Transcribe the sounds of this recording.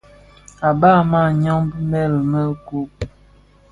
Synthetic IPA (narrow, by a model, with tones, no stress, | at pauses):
a˨ba˦˨ma˦˨ɲɔ˦ŋbmɛ˦˨lmə˦ku˦